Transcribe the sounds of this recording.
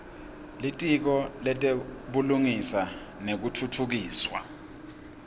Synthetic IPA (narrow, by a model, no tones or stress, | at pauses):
litʼik̬ɔlɛtʼeɓuluŋisa | nek̬utʰutʰuk̬iːswa̰